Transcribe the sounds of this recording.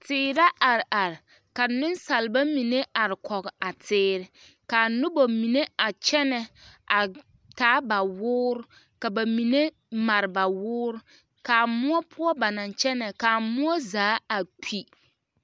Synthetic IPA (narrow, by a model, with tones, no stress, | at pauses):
tɪː˦ɾa˦ʔa˨ɾɪ˨ʔa˨ɾɪ˨ | ka˨nɪ˦nsa˨lɪ˨ba˦mi˨ne˦ʔa˨ɾɪ˨kɔ˨ɡɪ˨a˨tʰɪː˦ɾɪ˨ | ka˨nʊ˦bo˨mi˨ne˦a˨t͡ʃɛ˦nɛ˨a˨ | taː˨˦ba˨wʊː˦ɾʊ˦ | ka˨ba˨mi˨ne˦ | ma˨ɾɪ˨ba˨wʊː˦ɾʊ˦ | ka˨mʊ˦ɔ˦pʰʊ˦ɔ˦ba˨na˨nt͡ʃɛ˦nɛ˨ka˨mʊ˦ɔ˦zaː˨˦a˨k͡pʰi˦